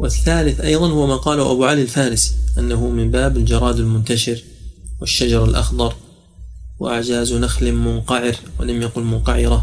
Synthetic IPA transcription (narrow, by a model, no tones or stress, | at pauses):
wɪθːaːlɪθʔɑjðˤɑnhʊwamaːqɑːlaʔabuʕalialfaːɾɪsi̥ʔanːaɦʊmɪmbaːbald͡ʒɑɾˤɑːd̪ɪlmʊnt̪aʃɪɾ | wɪʃːad͡ʒɑɾˤalʔɑ̰xd̪ˤɑɾˤ | wɪ̰ʔaʕd͡ʒaːznaxlɪmʊnqɑʕɪɾwɪ̰lamjaqʊlmʊnqɑʕɪɾa